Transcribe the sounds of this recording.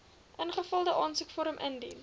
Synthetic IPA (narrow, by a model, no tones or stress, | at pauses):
ʔənχəfəlˠdəʔɑːnsəkfɔɾəmʔəndin